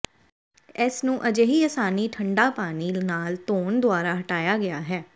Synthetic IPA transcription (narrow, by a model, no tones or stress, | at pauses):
ɛːsnũːʔəd͡ʒeːɦiːəsaːniːʈʰəɳɖaːpaːniːnaːlt̪oːnd̪ʊaːɾaːɦəʈaːjaːɡɪaːɦɛː